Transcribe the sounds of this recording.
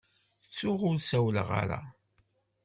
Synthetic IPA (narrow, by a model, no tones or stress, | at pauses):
ət͡sːʊʁʊɾsæwləʁa̰ɾa̰